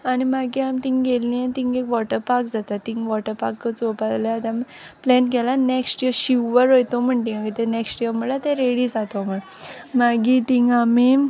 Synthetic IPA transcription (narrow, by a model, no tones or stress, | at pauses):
animaɡiamt̪ĩŋɡelːiẽt̪ĩŋɡekʋɔʈəɾpaɾkd͡zat̪at̪ːĩŋʋɔʈəɾpakːət͡sopad̪laat̪ãm | plɛnɡɛlaneksʈijəɾɕiʋəɾɦojt̪om̤əɳʈĩŋaɡit̪eneksʈijəɾməɽɭat̪eɾeɽiːsat̪om̤əɽ | maɡit̪ĩŋɡami